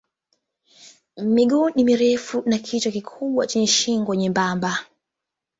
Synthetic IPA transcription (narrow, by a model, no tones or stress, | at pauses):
miɡunimiɾɛfunakʰitɔkikʰuɓwat͡ʃɛɲɛʃiŋɡwɔɲɛmbamba